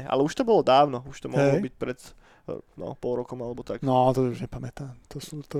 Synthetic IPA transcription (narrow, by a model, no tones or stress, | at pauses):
ʔa̰lɛuʃt̪ɔbɔlɔd̪aːʊnɔuʃt̪ɔmɔɦɦɔlɔbic̚pɾɛt̪ | nɔ̰pɔlˠɾɔkɔmalɛbɔt̪aknɔt̪ɔuʒɲɛpamɛt̪aːmt̪ɔsuːt̪